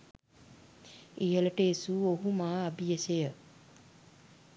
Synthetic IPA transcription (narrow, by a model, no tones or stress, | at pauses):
ijələʈəesuoɦumaːabijəsejə